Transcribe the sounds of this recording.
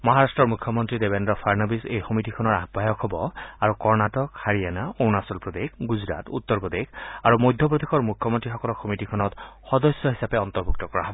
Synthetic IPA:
mɔɦaɹastɹɔɹmukʰjɔmɔntɹidebendɹɔpʰaɹnɔbisejxɔmitikʰɔnɔɹabʱajɔkʰɦɔbɔaɹukɔɹnatɔkhaɹijanaownasɔlpɹɔd̪ekɡuzɹa̰t̪ut̪ːɔɹpɔd̪exʰaɹumojd̪ʱjɔp̬ɹod̪ekʰɔɹmukʰjɔmɔntɹixɔkɔlɔxomitikʰɔnɔtxɔd̪ɔsjɔɦisapɛɔnt̪ɔɹbʱuk̚tɔkɔɹa̰ɦɔbɔ

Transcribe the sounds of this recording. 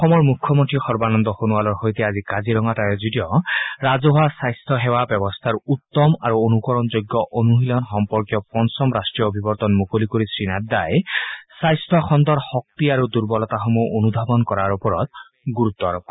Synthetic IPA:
ɔxɔmɔɹmukʰːɔmontɹixɔɹbanɔnd̪ɔxonuwalɔɹxojt̪ɛazikaziɾɔŋatajɔzudiɔɹazɔɦoasajstʰɔɦɛwabɛbɔst̪ʰaɹut̪ːɔmaɹuonukɔɹɔnzojɡːjɔʔonuɦilɔnxɔmpɔɹkjɔpɔnsɔmɹasʈɹijɔobʱibɔɹt̪ɔnmukolikuɹisɹinat̚d̪ajsajstʰɔxɔnd̪ɔɹxɔk̚t̪iaɹud̪uɹbɔlɔt̪axomuʔonub̪ʱabɔnkɔɹaɹupɔɹɔ̰t̪̚ | ɡuɹut̪ːɔɹɔk

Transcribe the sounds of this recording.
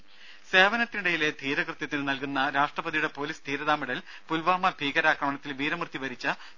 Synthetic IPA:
se̞ːʋɐnɐt̪ːiniɽejile̞d̪ʱiːɾɐkrɨt̪jɐt̪ːinɨnɐlkunːɐɾaːʂʈrɐbɐðijuɽe̞po̞ːliːsd̪ʱiːɾɐðaːmiɽɐl | pulʋaːmɐbʱiːɡɐɾaːkrɐmɐɳɐt̪ːilʋiːɾɐmrt̪ːiʋɐɾit͡ɕːɐ

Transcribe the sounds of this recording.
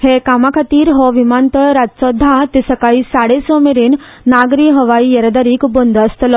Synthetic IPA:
hekamakʰat̪iːɾɦɔʋimant̪əɭɾatsɔd̪ʱːãt̪isəkaɭiːsaɽesɔmeɾinː | aɡɾiɦəʋaijəɾəd̪aɾiːkbond̪əst̪lɔ

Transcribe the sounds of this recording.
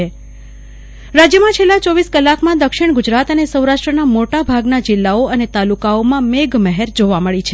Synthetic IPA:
e | ɾad͡ʒjəmãt͡ʃʰelːãt͡ʃɔʋiskəlːakʰmãd̪əkʃɪɳɡʊd͡ʒɾat̪ənesəwɾaʂʈɾənamoʈabʱaɡnad͡ʒɪlːaoənet̪alukaomãmeɡməɦeɾd͡ʒoʋaməɭit͡ʃʰe

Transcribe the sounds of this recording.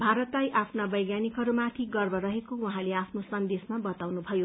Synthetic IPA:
bʱaɾʌt̪lajʔapʰnabʌjɡjanikɦʌɾumat̪ʰiɡʌrbʌɾʌɦekowuɦãleapʰnosʌnd̪esmabʌt̪awnubʱʌjo

